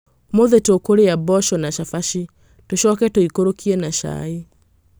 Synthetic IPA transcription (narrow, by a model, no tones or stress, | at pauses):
moðetokoɾeabɔʃɔnaʃafaʃi | toʃɔːkɛtoikoɾokiɛnaʃa̰i